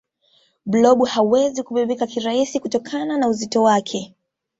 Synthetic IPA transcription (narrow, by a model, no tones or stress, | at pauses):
blɔɓuhauwɛzikuɓiɓikakiɾaisikutɔkʰananauzitɔwakʰɛ